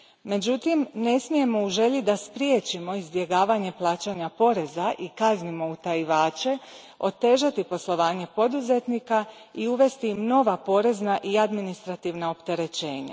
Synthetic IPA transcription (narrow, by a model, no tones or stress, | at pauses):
me̞d͡ʑut̪imne̞smije̞mo̞uʒe̞ʎid̪aspɾjeːt͡ʃimo̞izbje̞ɡaːʋaɲe̞plˠaːt͡ɕaɲapo̞ɾe̞zaʔikaznimo̞ut̪ajiʋaːt͡ʃe̞ | o̞t̪e̞ːʒat̪ipo̞slˠo̞ʋaːɲe̞po̞d̪uze̞t̪nika | iuʋe̞st̪imno̞ʋapo̞ɾe̞znaʔiad̪minist̪ɾat̪iːʋnao̞pt̪e̞ɾe̞t͡ɕe̞ːɲa̰